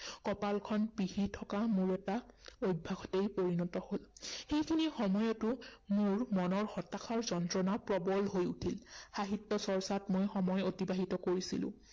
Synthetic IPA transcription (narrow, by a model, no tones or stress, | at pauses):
kɔpalkʰɔnpihitʰɔkamʊɹɛtaojbʱːaxʰɔtejpoɹinɔtɔholxejkʰinixɔmɔjɔtʊmʊɹmɔnɔɹxɔtakʰaɹzɔntɹɔnapɹɔbɔlɦojutʰilxaɦitːɔsɔɹsatmojxɔmɔjotibaɦitɔkoɹisilʊ̰̃